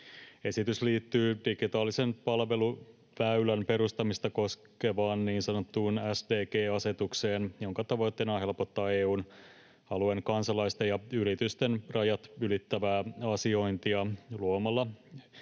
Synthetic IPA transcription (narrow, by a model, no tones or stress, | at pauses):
e̞sit̪ysliːt̪ːyːd̥iɡit̪ɑːlise̞mpɑlʋe̞lu | pæylænpe̞ɾust̪ɑmist̪ɑko̞ske̞ʋɑːnːiːnsɑnot̪ːuːnæsdeːkeːɑse̞t̪ukseːnjo̞ŋkɑt̪ɑʋo̞jt̪ːe̞ːnɑɦe̞lpo̞t̪ːɑːeːuːn | ɑlue̞ŋkɑnsɑlɑjst̪ejɑyɾit̪yst̪enrʔɑjɑt̪ylit̪ːæʋæːɑsio̞int̪iɑluomɑlːɑ